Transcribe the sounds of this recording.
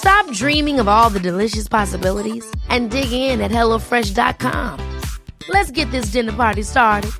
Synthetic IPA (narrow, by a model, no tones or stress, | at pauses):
stɑp̚dɹĩmɪ̃ŋʌvɔlˠðɨdɨlɪʃɨspʰɑsəbɪlˠəɾizʔɨ̃ndɪɡɪ̃ŋɪ̃nɨt̚hɛlˠoʊfɹɛʃdɑ̰t̚kʰɑ̰̃m | lɨtsɡ̥ɛt̪̚ðɪs̬d̥ɪ̃nə˞pʰɑɹɾistɑɹɾɨd̥̚